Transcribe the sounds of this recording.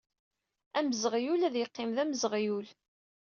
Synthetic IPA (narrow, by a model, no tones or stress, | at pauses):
æməzʁjulæðjəqːɪmðæməzʁjul